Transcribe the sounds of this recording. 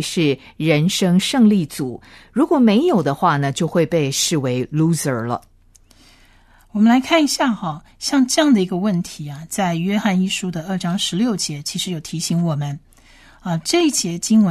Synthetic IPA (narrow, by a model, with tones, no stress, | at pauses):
ʂɻ̩˥˩ | ɻə˧˥nʂɤ˥ŋʂɤ˥˧ŋli˥˩t͡su˨˩˦ɻu˧˥kwɔ˨˩me˧˥ɪjo˨˩ʊd̪ə˦xwa˥˩nə˩t͡ɕjo˥˧ʊxwe˥˧ɪpe˥˧ɪʂɻ̩˥˩we˧˥ɪlu˥sə˞˨˩lə̰˧˦ | wɔ˨˩mə˦nla˧˥ɪkʰa˥˩ni˧˥ɕja˥˩xɑ˨˩ | ɕjɑ˥˧ŋʈ͡ʂɤ˥˧jɑ˥˩ŋd̪ə˩i˧˥ɡə˧wə˥˩nt̪ʰi˧˥ɐ˧t͡sa˥˧ɪɥɛ˥xa˥˧ni˥˩ʂu˥d̪ə˨ə˞˥˩ʈ͡ʂɑ˥ŋʂɻ̩˧˥ljo˥˩ʊt͡ɕjɛ˧˥t͡ɕʰi˧˥ʂɻ̩˧˥jo˨˩ʊt̪ʰi˧˥ɕi˧˥ŋwɔ˨˩mə˦n | ə˧ʈ͡ʂɤ˥˧i˥˩t͡ɕjɛ˧˥t͡ɕi˥ŋwə˧